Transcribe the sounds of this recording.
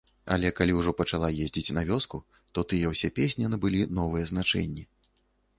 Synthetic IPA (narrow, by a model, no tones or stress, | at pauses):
ɐ̰lʲɛkalʲiwʐɔpɐt͡ʂalˠajezʲd͡zʲit͡sʲnɐvʲɔsku | t̪ɔt̪ɨjɛwsʲɛpʲesʲnʲɛnɨbɨlʲinɔvɨjɛznat͡ʂɛ̰nʲːi